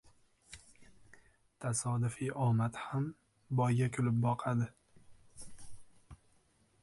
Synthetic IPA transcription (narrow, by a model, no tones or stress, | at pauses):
t̪ʰasɒd̪ʊfɪʔɒmat̪ham | bɒjɡʲakʲʰʊlɪp̚bɒqʰad̪ɪ